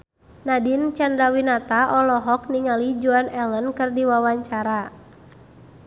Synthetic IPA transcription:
nadint͡ʃandɾawinat̪aʔɔlɔɦɔk̚niŋalid͡ʒuanɛlənkɨrdiwawaɲt͡ʃaɾa

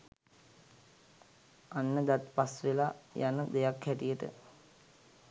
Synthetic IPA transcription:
anːəd̪at̪pasʋelajanəd̪ejakhæʈijəʈə̰

